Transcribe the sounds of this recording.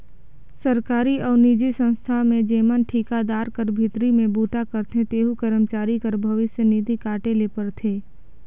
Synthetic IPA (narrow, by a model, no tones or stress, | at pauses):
səɾkaːɾiɔːɾnid͡ʒisə̃nst̪ʰamẽd͡ʒeːmənʈʰiːkad̪aːɾkəɾbʱɪt̪ɾimẽbuːʈakəɾt̪ʰẽt̪eːɦukəɾəmt͡ʃaːɾikəɾbʱəʋɪsjəniːd̪ikaːʈelepəɾt̪ʰeː